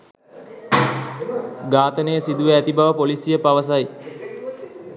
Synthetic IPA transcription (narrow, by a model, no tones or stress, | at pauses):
ɡaːt̪ənəjəsid̪uʋeæt̪ibaʋəpolisijəpaʋəs̬aj